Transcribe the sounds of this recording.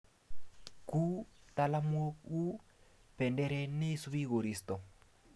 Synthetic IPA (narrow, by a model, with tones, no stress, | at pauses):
ku˦ta˨la˦mwo˦u˦ | pɛ˨ndɛ˦ɾɛ˦ne˦su˦βi˦ɣo˨ɾi˨stɔ˨